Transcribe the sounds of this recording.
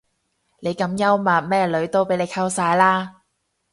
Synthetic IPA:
ne˨˧jkɐ˨˥mjɐ˥wmaː˨˩t̚mɛː˥lɵ˨˧˥ɥt̪o˥wpe˨˥jle˨˧jkʰɐ˥wsaː˧jlaː˥

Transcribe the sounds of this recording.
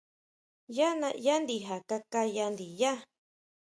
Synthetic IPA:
ja˦nã˧ja˦nd̪i˨ɦa˨ka˧ka˧ja˧nd̪i˨ja˦

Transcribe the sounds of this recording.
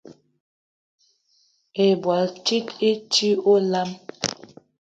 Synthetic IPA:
e˨bwa˨lti˦te˦t͡ʃi˦o˦la˦m

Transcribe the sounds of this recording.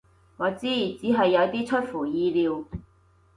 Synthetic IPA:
ŋɔː˨˧t͡siː˥ji˨˩t͡siː˨˥ɦɐ˨jːɐ˨˧wt̪iː˥t͡ʃʰɵ˥t̚fuː˨˩jiː˧liː˨˧w

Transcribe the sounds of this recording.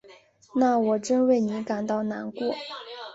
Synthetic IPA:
na˥˩wɔ˨˩ʈ͡ʂə˥nwe˥˩ɪni˧˥ka˨˩nt̪ɑ˥˩ʊna˧˥nkwɔ˥˩

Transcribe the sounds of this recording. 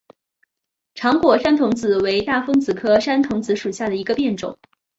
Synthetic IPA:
ʈ͡ʂʰɑ˧˥ŋkwɔ˨˩ʂa˥nt̪ʰʊ˧˥ŋt͡sɹ̩˨˩we˧˥ɪt̪a˥˩fɤ˥ŋt͡sɹ̩˨˩kʰɤ˥ʂa˥nt̪ʰʊ˧˥ŋt͡sɹ̩˧˥ʂu˨˩ɕja˥˩d̪ə˩i˧˥ɡə˧pjɛ˥˩nʈ͡ʂʊ̰˨˩˦ŋ

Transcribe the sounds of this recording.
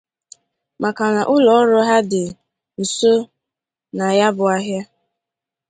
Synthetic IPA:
mʔa˨ka˨na˨ʔʊ˦lɔ˨˦ɾʊ˦ɦa˦dɪ˨ | so˦ | na˨ja˦bʊ˨a˦ɦja˦

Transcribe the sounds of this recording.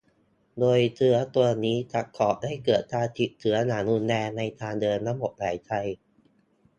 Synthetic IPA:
doː˧jt̪ʰɯ˦˥ɐt̪u˧ɐniː˦˥t͡ɕa˨˩kʰɔː˨˩p̚da˥˩jkɤː˨˩t̪̚ʰːaː˧t̪ʰi˨˩t̚t͡ɕ̪ʰɯ˩˦ɐnaː˩˦nu˧nːɛː˧na˧jt̪ʰaː˧ndɤː˧nːa˦˥mo˨˩t̪̚laː˩˦jt̪ʰa˧j

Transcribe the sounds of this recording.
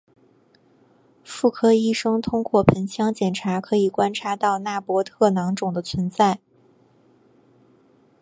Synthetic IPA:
fu˥˩kʰɤ˥i˥˩ʂɤ˥ŋt̪ʰʊ˥ŋkwɔ˥˩pʰə˧˥nt͡ɕʰjɑ˥ŋt͡ɕjɛ˨˩nʈ͡ʂʰa˧˥kʰɤ˧˥i˨˩kwa˥nʈ͡ʂʰa˧˥t̪ɑ˥˧ʊna˥˩pwɔ˧˥t̪ʰɤ˥˩nɑ˧˥ŋʈ͡ʂʊ˨˩ŋd̪ə˦t͡sʰwə˧˥nt͡sa˥˩ɪ

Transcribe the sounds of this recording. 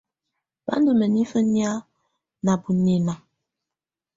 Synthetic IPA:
ba̰˦ndə˦˨mə˨ni˦fə˦nja˦ | na˨bu˨ne˨na˨

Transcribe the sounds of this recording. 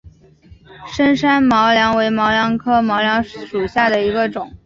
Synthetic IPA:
ʂə˥nʂa˥nmɑ˧˥ʊljɑ˧˥ŋwe˧˥ɪmɑ˧˥ʊljɑ˧˥ŋkʰɤ˥mɑ˧˥ʊljɑ˧˥ŋʂu˨˩ɕja˥˩d̪ə˩i˧˥ɡə˧ʈ͡ʂʊ˨˩˦ŋ

